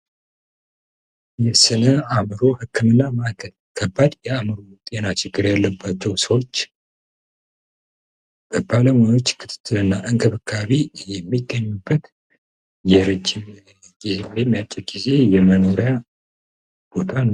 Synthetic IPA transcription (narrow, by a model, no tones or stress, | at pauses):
jɛsɨnəamɾo̞hɨkʰːɨmɨnːamaɡʰəl | kʰəbːad̪jɛamɨɾot̪ʼe̞nat͡ʃɪɡːɨɾjalːəbːat͡ʃːɛwsəwo̞t͡ʃː | b̥əbaləmajo̞t͡ʃːkʰɨt̪ʰɨ̥t̪ʰːɨlɨnːaʔɨŋkʰʼɨβɨkʰːaβijɛmːiɡːəɲːubːət̪ | jɛɾɨd͡ʒːɪm | ɡizemjɛmːijat͡ʃʼːɛɡize̞jɛməno̞ɾja | b̥o̞t̪ʰan